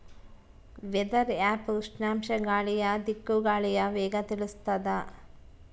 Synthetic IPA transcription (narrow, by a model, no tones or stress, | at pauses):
ʋɛd̪ɐɾaːpuʂnaːmʃɐɡaːɭijɐd̪ikːuɡaːɭijɐʋɛːɡɐt̪iɭust̪ɐd̪ɐ